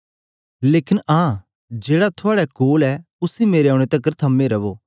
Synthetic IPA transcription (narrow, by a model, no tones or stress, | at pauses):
leːkɪnãː | d͡ʒeːɽat̪ʰʊaːɽakoːlɛ | ʊsimeːɾeãːɽ̃et̪ɐkːəɾt̪ʰɐmːẽɾɐʋoː